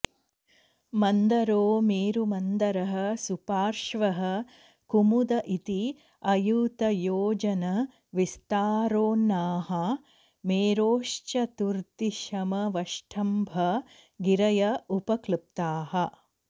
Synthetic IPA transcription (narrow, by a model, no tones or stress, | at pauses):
mɐnd̪ɐɾoːmeːɾumɐnd̪ɐɾɐɦɐ̆supaːɾʃʋɐɦɐ̆ | kumud̪ɐʔit̪i | ɐjuːt̪ɐjoːd͡ʒɐnɐ | ʋist̪aːɾoːnaːɦɐ | meːɾoːʂt͡ʃɐt̪uɾt̪iʃɐmɐʋɐʂʈʰɐmbʱɐ | ɡiɾɐjɐupɐklup̚t̪aːhɐ